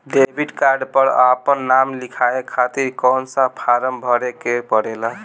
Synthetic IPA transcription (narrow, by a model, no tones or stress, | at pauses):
ɖebʱiɖkaɾɖpəɾa̰pənːamlikʰaekʰːat̪iɾkɔnsãpʰaɾəmbʱəɾekepəɽelaɦ